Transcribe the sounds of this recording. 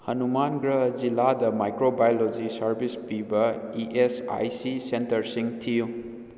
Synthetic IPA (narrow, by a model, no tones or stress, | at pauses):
hɐnumanɡɾɐd͡ʒiladɐmajkɾobajolod͡ʒisɐɾbʱispibɐiʔesa̰jsisentɐɾsiŋtʰiju